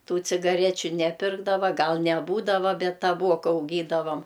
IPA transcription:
ˈtuː t͡sʲɪɡɐˈrʲæːt͡ʃʲʊ nʲɛˈpʲɪrɡdɐʋɐ ˈɡɐlˠ nʲɛˈbuːdɐʋɐ ˈbʲɛt tɐˈbuɔkɐ ɐʊˈɡʲiːdɐʋɐm

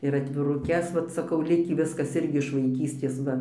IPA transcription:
ɪr ɐtʲʋʲɪrʊˈkʲɛs ˈʋɐt sɐˈkɐʊ ˈlʲɪkʲiː ˈʋʲɪskɐs ˈɪrʲɡʲɪ ɪʃ ʋɐɪˈkʲiːsʲtʲeːs ˈʋɐ

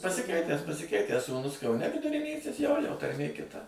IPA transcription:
pɐsʲɪˈkʲɛɪtʲæːs pɐsʲɪˈkʲɛɪtʲæːs suːˈnʊs kɐʊˈnʲɛ ʋʲɪdʊrʲɪˈnʲiːsʲɪs ˈjoːjoː tɐrʲˈmʲeː kʲɪˈtɐ

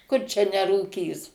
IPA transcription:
kʊr t͡ʃʲɛ nʲɛruːˈkʲiːs

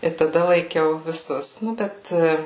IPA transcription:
ɪ tɐˈdɐ lˠɐɪˈkʲɛʊ ʋʲɪˈsʊs nʊ ˈbʲɛt

